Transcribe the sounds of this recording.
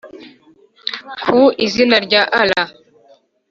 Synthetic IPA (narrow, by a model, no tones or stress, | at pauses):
kʰuizinaɾɟaʔala